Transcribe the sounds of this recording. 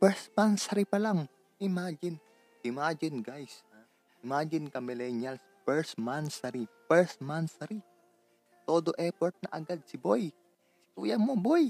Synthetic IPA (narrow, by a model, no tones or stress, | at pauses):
pɛɹst̪mansɐɾipɐlaŋ | ʔɪmad͡ʒɪn | ʔɪmad͡ʒɪnɡajsa | ʔɪmaːd͡ʒɪnkɐmɪlɛnjals | pɛɹsmansɐɾipɛɹst̪mansɐɾi | t̪oːd̪oʔɛpoɹt̪̚nɐʔɐ̰ɡad̪̚sɪboj | sɪ̥t̪uːjɐŋmoboj